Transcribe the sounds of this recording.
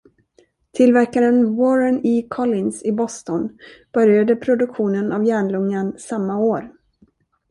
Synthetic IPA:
t̪ʰɪlvæɾkaɾənwɔɾəɳiːkʰɔlɪnsɪbɔst̪ɔnb̥œɾjad̪əpʰɾʊd̪ɵkɧuːnənavjæːɳlɵŋːansamːaoːɾ

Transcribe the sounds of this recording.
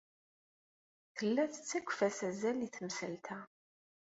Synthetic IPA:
θəlːæθə̥t͡sːæɡʷːfæsæzæliθmsəlt̪ʰæ

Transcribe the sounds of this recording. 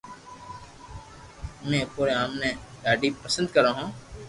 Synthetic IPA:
mẽpuːɾeaːmnẽɡaːɖipəsə̃nd̪̚kɐɾaɦũː

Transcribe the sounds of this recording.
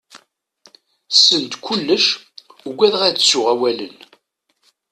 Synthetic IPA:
sənt̪kʷʰulːəʃuɡʷːæðʁæt͡ssʊʁæwælə̰n

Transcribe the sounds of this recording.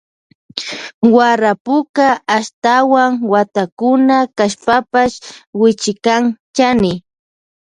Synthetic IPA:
waɾapʊkaːʃt̪awaŋwat̪akʊnakaʃpapaʃwɪt͡ʃɪkaŋt͡ʃanɪ

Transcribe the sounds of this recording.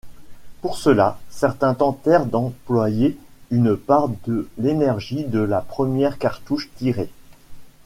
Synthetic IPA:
puʁsəlasɛʁt̪ɛ̃t̪ɑ̃t̪ɛʁd̪ɑ̃plwajeynpaʁd̪əlenɛʁʒid̪əlapχəmjɛʁkaʁt̪uʃt̪iʁe

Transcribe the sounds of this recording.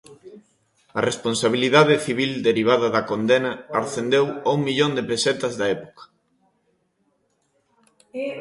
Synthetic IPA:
ɐresponsaβ̞iliðaðɪθiβ̞ild̪eɾiβ̞aðɐðɐkond̪enɐːɾθend̪ewauŋmiʎond̪epesɛt̪ɐzðɐɛpo̥kɐ̥

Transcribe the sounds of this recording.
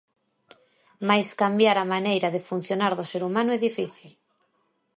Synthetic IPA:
majskambjaɾamanejɾaðɪfun̟θjonaɾðʊseɾumãnʊɛðifiθil

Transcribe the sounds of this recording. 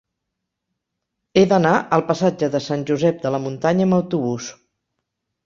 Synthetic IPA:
eðənaʔəlˠpəsad͡ʒəðəsanʲʒuzɛp̚d̪ələmunt̪aɲəəməwt̪uβ̞us

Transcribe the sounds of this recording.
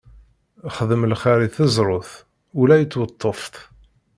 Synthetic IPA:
χəðəmlχaɾiθəzɾˤoθ | ulæjət͡sːwət̪ˤːəft̪

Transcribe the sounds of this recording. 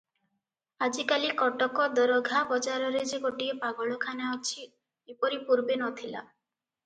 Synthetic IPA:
ad͡ʒikalikɔʈɔkɔd̪ɔɾɔɡʱabɔd͡ʒaɾɔɾed͡ʒeɡoʈiepaɡɔɭɔkʰanaɔt͡ʃʰi | epɔɾipuɾbenɔt̪ʰila̰

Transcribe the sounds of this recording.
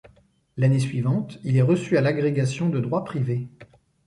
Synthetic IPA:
lanesɥivɑ̃t̪ilɛʁəsyalaɡʁeɡasjɔ̃d̪əd̪ʁwapχive

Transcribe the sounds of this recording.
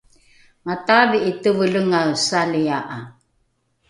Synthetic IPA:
mataviʔitəvələŋawsaliaʔa

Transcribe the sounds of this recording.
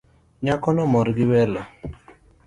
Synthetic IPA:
ɲakɔnɔmɔɾɡɪwɛlɔ

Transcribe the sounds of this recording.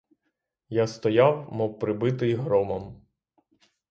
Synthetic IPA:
jast̪ɔjawmɔwpɾɪbɪt̪ɪiɦɾɔmɐm

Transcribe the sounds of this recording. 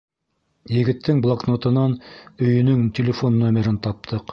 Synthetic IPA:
jɘ̆ɡɘ̆t̪ːɘŋblˠoknot̪ɤ̆nɑnɵ̆jɵ̆nɵŋtʲelʲɪfonːomʲeɾɘnt̪ɑp̚t̪ʰɤq

